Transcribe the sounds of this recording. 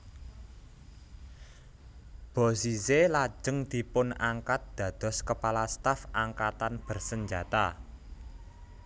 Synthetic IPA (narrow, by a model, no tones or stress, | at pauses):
b̥ɔ̤siselḁd͡ʒ̥ə̤ŋd̪̥i̤pʊnaŋkat̪̚d̪̥ä̤d̪̥ɔ̤skəpalast̪afaŋkat̪anb̥ərsəɲd͡ʒat̪a